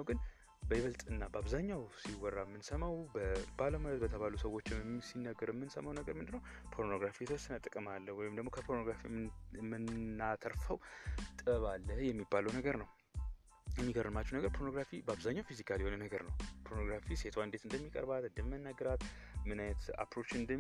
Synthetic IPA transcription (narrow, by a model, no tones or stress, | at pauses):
nwɡɨn | bəjɪβəlt̪ʼɨnːabəaβzaɲːawsiwɔrːamːɨnsəmawbəbaləmalət̪̚bət̪ʰəβalusəwo̞t͡ʃːɪsinːəɡɨɾmːɨnsə̰mawnəɡəɾmɨnd̪ɨnːəw | pʰo̞ɾno̞ɡɾafijɛt̪ʰəwɔsːənət̪ʼɨkʼɨmalːəwɔjɪmd̪əɡmokʰəpʰoɾno̞ɡɾafḭmɨnːat̪ʰəɾfəwt̪ʼɨβalːəhjɛmːibːaləwnəɡəɾnəw | jɛmːiɡəɾːɨmat͡ʃːɛwnəɡəɾpʰoɾno̞ɡɾafibəaβzaɲːawfizikʰaljɛhonənəɡəɾnəwpʰoɾnoɡɾafise̞t̪ʰaɨnd̪e̞t̪ɨnd̪əmːikʼə̰ɾbat̪ɨnd̪əmmənːaɡːəɾat̪ | mɨnajɛt̪a̰pɾo̞t͡ʃɨnd̪ə